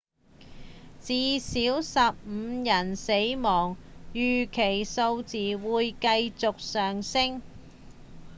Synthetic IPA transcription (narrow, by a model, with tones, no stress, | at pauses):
t͡siː˨siː˨˥wsɐ˨p̚m̩ː˨˧jɐ˨˩nse˨˥jmɔː˨˩ŋjyː˨˩kʰe˨˩jso˧wt͡siː˨wuː˨˧jkɐ˧jt͡sʊ˨k̚sœː˨˩ŋsɪ˥ŋ